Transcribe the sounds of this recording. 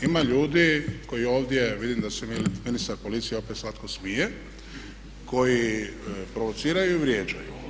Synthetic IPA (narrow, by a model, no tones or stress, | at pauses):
imaʎuːd̪iko̞jio̞ːʋd̪ʲje̞ʋid̪imd̪asemiminist̪aɾpo̞lit̪sijeo̞pet̪slˠat̪ko̞smije | ko̞ji | pɾo̞ʋo̞t̪siːɾajuiʋɾjed͡ʑa̰ju